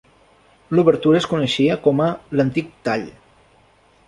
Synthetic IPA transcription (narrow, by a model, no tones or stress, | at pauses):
luβəɾt̪uɾəːskunəʃiəkɔmələnt̪ik̚t̪aʎ